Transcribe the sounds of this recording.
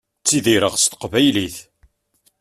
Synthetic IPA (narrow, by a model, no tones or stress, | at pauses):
t͡sːiðiɾəʁst̪ə̥qvæjliθ